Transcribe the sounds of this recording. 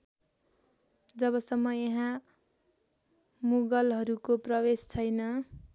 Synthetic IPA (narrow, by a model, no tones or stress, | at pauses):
d͡zʌβʌsʌmːʌjʌɦã | muɡʌlɦʌɾukoprʌwest͡sʰʌjnʌ